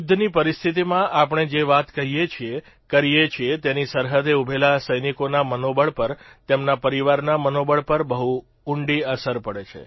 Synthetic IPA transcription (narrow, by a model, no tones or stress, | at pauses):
ud̪ʱnipəɾist̪ʰit̪imãʔapɳ̃ed͡ʒeʋat̪kəɦijet͡ʃʰie | kəɾijet͡ʃʰiet̪enisəɾɦəd̪eubʱelasəjnikonamənobəɭpəɾt̪emnapəɾiʋaɾnamənobəɭpəɾbəɦu | ʊɳɖiəsəɾpəɽet͡ʃʰḛ